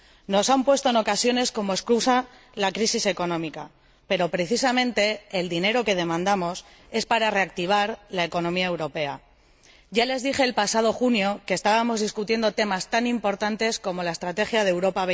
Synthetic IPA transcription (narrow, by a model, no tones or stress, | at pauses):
no̞sampwe̞st̪o̞eno̞kasjo̞ne̞sko̞mo̞e̞skɾusa | lakɾisise̞ko̞nõ̞mika | pe̞ɾo̞pɾe̞θisamẽ̞nt̪e̞ːld̪ine̞ɾo̞ke̞ð̞e̞mãnd̪amo̞s | e̞spaɾare̞ak̚t̪iβ̞aɾlae̞ko̞nõ̞miae̞wɾo̞pe̞a̰ | ɟ͡ʝale̞zðixe̞ːlpasað̞o̞xunjo̞keːst̪aβamo̞zðiskut̪je̞nd̪o̞t̪e̞mast̪anĩmpo̞ɾt̪ant̪e̞sko̞mo̞lae̞st̪ɾat̪e̞xjaðewɾo̞paβ